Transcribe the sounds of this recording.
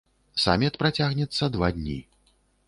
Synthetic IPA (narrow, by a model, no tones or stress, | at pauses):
sa̰mʲɛt̪pɾat͡sʲaɣnʲɛt̪sːɐd̪vad̪ʲnʲḭ